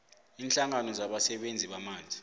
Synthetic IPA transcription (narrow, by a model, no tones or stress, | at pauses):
iːnɬaŋanɔzaɓasɛɓend͡zʱiɓamaːnd͡zʱi